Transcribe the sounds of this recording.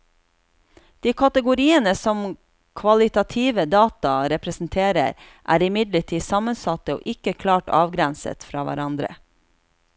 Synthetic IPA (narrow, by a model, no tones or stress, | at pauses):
d̪̥iːkʰɑt̪əɡʊɾiːənəsɔm | kʰʋɑlɪt̪ɑt̪ʰiːʋəd̪ɑːt̪ɑɾɛpɾəsn̩t̪ʰeːɾə̰ɾ | ʔæ̰ːɾɪmɪd̪ləʈʰiːsɑmənsɑt̪əo̰ːʔɪkəkʰlɑːʈɑ̰ːʋɡɾænsə̰t̪fɾɑːʋæ̰ɾɑnd̪ɾə̰